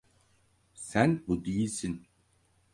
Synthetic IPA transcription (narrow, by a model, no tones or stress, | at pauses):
sænbud̪ijisin